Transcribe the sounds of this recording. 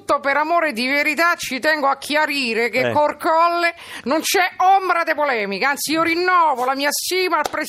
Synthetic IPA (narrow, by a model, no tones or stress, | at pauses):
t̪ːopeɾamoːɾed̪iveɾit̪at͡ʃːit̪ɛŋɡoakʰːjaɾiːɾek̟ekːorkɔlːe | nont͡ʃɛombɾad̪epolɛːmikaant̪siiːoɾinːɔːvolamiːast̪iːmapɾe